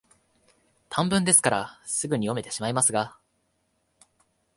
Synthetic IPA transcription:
t̪ʰãmbɯ̟̃nd̪e̞sɨ̥kaɾasɨɡɯ̟ɲ̟ijo̞me̞t̪e̞ɕimaimasɨɡa

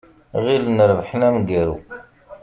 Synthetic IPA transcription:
ʁilənɾvħnæmɡæɾṵ

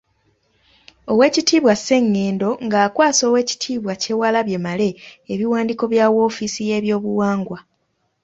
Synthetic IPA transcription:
o̞we̞ːcitiːβwase̞ŋːe̞ːndo̞ŋɡaːkwaːso̞ːwe̞ːci̥tʰiːβwace̞walaβje̞male̞ːβiwaːndiko̞βjaːwo̞ːfisije̞βjo̞ːβuwaːŋɡwa

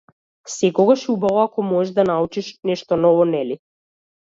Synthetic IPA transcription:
sɛkɔɡaʃubavɔakɔmɔɛʒd̪anaut͡ʃiʃnɛʃt̪ɔnɔvɔnɛli

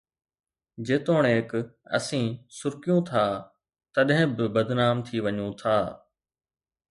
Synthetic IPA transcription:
d͡ʑeːt̪oːɽ̃eːkɐ̰sĩːsʊɾkijũt̪ʰaː | t̪ɐɗɦɪ̃bɪbɐd̪ʱnaːmt̪ʰiʋɐɲũt̪ʰaː

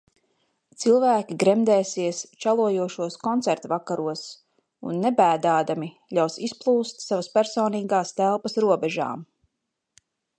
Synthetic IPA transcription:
t̪silˠvæːkʲiɡɾɛmd̪ɛːsiɛst͡ʃalˠuɔjuɔʃuɔskɔnt̪sɛɾt̪vakaɾuɔs | ṵnːɛbæːd̪aːd̪ami | ʎʲawsisplˠuːst̪savaspʲæɾsɔːniːɡaːst̪ælˠpɐsɾuɔbɛʒa̰ːm

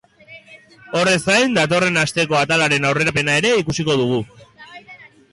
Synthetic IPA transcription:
o̞re̞sajnd̪at̪o̞re̞nast̪e̞ko̞at̪alaɾe̞nawre̞ɾape̞nae̞ɾe̞ikusiko̞ð̞uɣ̞u

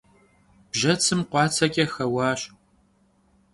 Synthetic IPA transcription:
b̥ʒɐt͡sʰɨmqʷɑːt͡sʰɐkʲʼɐxɐwɑːɕ

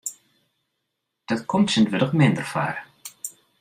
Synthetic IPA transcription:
d̥ɔtkʰɔmtsəndʋədəχmɪndərfa̰ːr

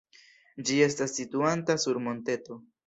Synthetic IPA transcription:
d͡ʒie̞s̬tasːituantasuɾmo̞nte̞to̞

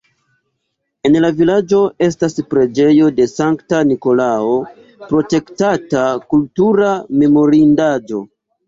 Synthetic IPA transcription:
e̞nlavilad͡ʒo̞e̞s̬taspɾe̞d͡ʒe̞jo̞de̞saŋktaniko̞lao | pɾo̞te̞ktatakultuɾame̞mo̞ɾindad͡ʒo̞̰

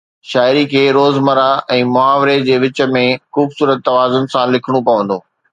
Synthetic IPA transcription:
ʃaːɪɾikʰeːɾoːzmɐɾaɛ̃ːmʊaːʋɾed͡ʑeːʋɪt͡ɕə̆mẽxuːbsuːɾət̪ːɐʋaːzʊnɪ̆sãlɪkʰɪɽ̃opɐʋə̃nd̪oː

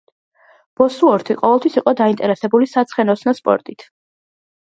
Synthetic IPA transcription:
b̥ɔsuɔɾt̪ʰiqʼɔvɛlˠt̪ʰwisiqʼɔd̪aint̪ʼɛɾɛsɛbulisat̪sʰχɛnɔsnaspʼɔ̰ɾt̪ʼit̪ʰ

